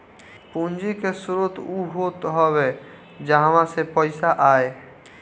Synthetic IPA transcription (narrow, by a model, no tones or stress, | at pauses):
pũnd͡ʒikesʊɾʊt̪uɦot̪ɦɔwe | d͡ʒaɦamãsepəɪsaʔaːe